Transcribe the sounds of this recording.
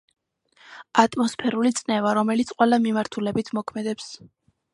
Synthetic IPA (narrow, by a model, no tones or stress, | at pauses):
at̪ʼmɔspʰɛɾulit̪sʼnɛvaɾɔmɛlit̪sʰqʼwɛlˠamimaɾt̪ʰulɛbit̪ʰmɔkʰmɛd̪ɛps